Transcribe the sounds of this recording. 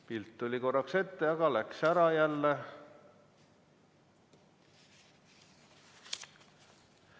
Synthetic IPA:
pilt̪ːolʲiko̞rːɑkse̞t̪ːeɑɡɑlæksæɾɑjælːe

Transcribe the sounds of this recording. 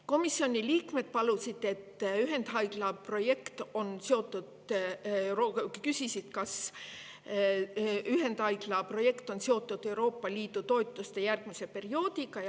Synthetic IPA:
ko̞misːio̞nʲiliːkme̞d̪̥̚pɑlusid̪̥e̞t̪ːˑyɦe̞nd̪̥ɦɑjɡ̥lɑpro̞je̞kt̪o̞nseo̞t̪ːˑud̪̥ | ɾokysisid̪̥kɑs | yɦe̞nd̪̥hɑjɡlɑpro̞je̞kt̪ˑo̞nseo̞t̪ːˑud̪̥e̞wɾo̞ːpːɑliːd̪̥ut̪o̞et̪ˑːust̪e̞jærɡ̥mise̞pe̞rio̞ːd̪iɡɑj

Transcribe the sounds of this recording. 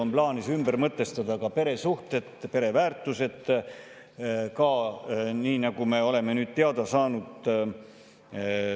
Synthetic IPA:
omplɑːnisymbeɾmɤt̪ˑːe̞st̪ɑd̪̥ɑkɑpe̞ɾe̞suht̪e̞d̪pe̞ɾe̞væːrt̪ːˑuse̞d̪̥ | kɑniːnɑɡ̥ume̞o̞le̞me̞nyːd̪̚t̪ːeɑd̪ɑsɑːnud̪

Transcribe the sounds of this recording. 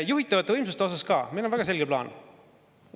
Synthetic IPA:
juɦit̪ːˑɑvɑt̪ːˑeɤjmsust̪eo̞sɑskɑ̰ːmiːnonvæɡ̥ɑse̞lɡ̥eplɑ̰ːn

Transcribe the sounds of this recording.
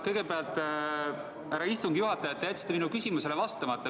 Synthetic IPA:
kɤjɡ̥e̞peɑlt̪ːˑ | æɾɑist̪uŋɡ̥juɦɑt̪ːˑɑjɑt̪ːejæt̪si̥t̪eminukysʲimuse̞levɑst̪ɑmɑt̪ːˑɑ

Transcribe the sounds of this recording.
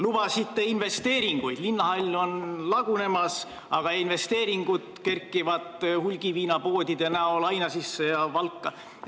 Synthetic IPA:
lub̥ɑsit̪ˑːeinve̞st̪e̞ːɾiŋɡ̥ujd̪̥linːɑɦɑlʲːo̞nlɑɡ̥une̞mɑs | ɑɡ̥ɑinve̞st̪e̞ːɾiŋɡ̥ud̪ke̞rkːˑivɑt̪hulʲɡ̥iviːnɑpo̞ːd̪ʲid̪̥jɑnæolɑjnɑsisːejɑvɑlkːɑ

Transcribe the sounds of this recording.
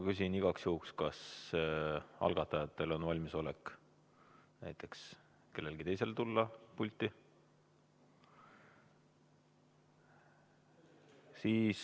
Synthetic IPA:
kysʲiniɡ̥ɑksjuukskɑs | ʔɑ̰lɡ̥ɑt̪ːˑɑjɑt̪ːˑe̞lo̞nvɑlʲmiso̞lek | næjt̪ˑe̞ks | ke̞lːe̞lɡ̥it̪e̞jse̞lt̪ulːɑpulʲt̪ːˑi | siːs

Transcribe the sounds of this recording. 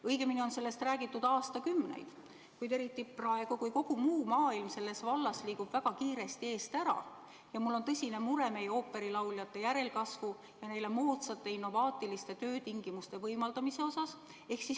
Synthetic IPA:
ɤjɡ̥e̞minio̞nse̞lːe̞st̪ræːɡ̥it̪ːˑud̪̥ɑːst̪ɑkymːnḛjd̪̥ | kujd̪e̞ɾit̪ːˑiprɑe̞ɡ̥ukujko̞ɡ̥umuːmɑːilmse̞lːe̞svɑlːɑsliːɡub̥væɡ̥ɑkiːɾe̞st̪ie̞ːst̪æɾɑ̰ | jɑmulːo̞nt̪ɤsʲinemuɾe̞me̞jeo̞ːpːˑe̞ɾilɑwljɑt̪ːˑe̞jæɾe̞lkɑsvu | jɑne̞jle̞moːt̪sɑt̪ːˑe̞inːo̞vɑːt̪ːˑilist̪e̞t̪ø̞ːt̪iŋɡ̥imust̪e̞vɤjmɑld̪ɑmise̞o̞sɑs | e̞hksis

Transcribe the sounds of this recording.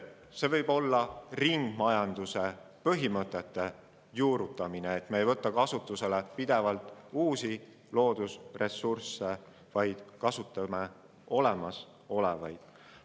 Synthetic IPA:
se̞vɤjb̥o̞lːɑriŋɡ̥mɑjɑnd̪use̞ | pɤɦimɤt̪ˑːe̞t̪ːe̞ | juːɾut̪ːˑɑmineːt̪meːjvɤt̪ːˑɑkɑsut̪ːˑuse̞lepid̪̥e̞vɑlt̪ːˑuːsi | lo̞ːd̪̥usre̞sːursːe̞ | vɑjd̪̥kɑsut̪ːˑɑme | o̞le̞mɑs | o̞le̞vɑjd̪̥

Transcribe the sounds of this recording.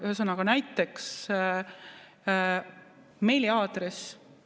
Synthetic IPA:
sɤnɑɡ̥ɑnæjt̪ːˑe̞ks | mejliɑːd̪̥res

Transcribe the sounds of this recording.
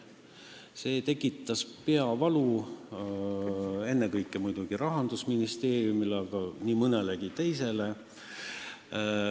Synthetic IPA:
se̞ːt̪e̞kːˑit̪ːˑɑspe̞ɑvɑlu | e̞nːekɤjkːˑemujd̪uɡ̥iɾɑɦɑnd̪usminist̪e̞ːrjumileɑɡ̥ɑniːmɤneleɡ̥it̪e̞jse̞le

